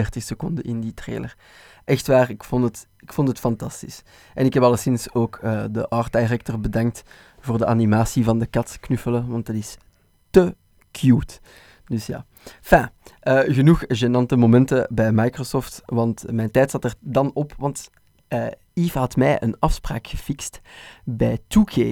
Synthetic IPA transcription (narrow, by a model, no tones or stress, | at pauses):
ɛrtɪxsəkɔndəʔɪnditrḛːlər | ʔɛxtʋaːrɪkfɔntət | ɪkfɔntətfɑntɑstis | ʔɛ̰nɪkɦɛpɑlˠəsɪnsoːkəːdə̰ʔɑrt̚dajrɛk̚tɔrbədɑŋkt | v̥oːrdəʔanimaːsivɑndəkɑtknʏfələʋɑntdɑtɪs | tə | kʰjuːt | dɵsja̰ː | fɛ̃ːəːɣənuxʒenɑntəmomɛntəbɛjmajkrosɔːftʋɑntmɛjntɛːtsɑtɛrdɑnɔpʋɑnt | əː | iːfɦɑtmɛjʔə̰nɑfspraːkxəfɪkstbɛːjtukʰeː